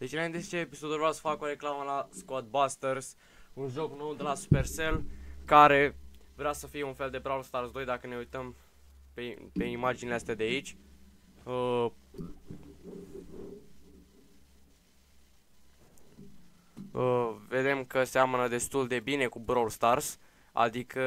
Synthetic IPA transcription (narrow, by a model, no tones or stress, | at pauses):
d̪̥et͡ʃnaint̪est͡ʃeːpisod̪ulvɾawsə̥fakoɾe̞klaməlaskot̪̚bast̪ers | unʒo̞kno̞wd̪elasu̥pe̞rse̞lkaɾe̞vɾeasəfijeunfe̞ld̪e̞bɾawlst̪arsd̪o̞jd̪akəne̞ujt̪əm | pepe̞imad͡ʒinleast̪ead̪eait͡ʃʲ | ə | əve̞d̪e̞mkəseamnəd̪e̞st̪uld̪e̞bine̞kubɾawlst̪ars | a̰d̪ikʰə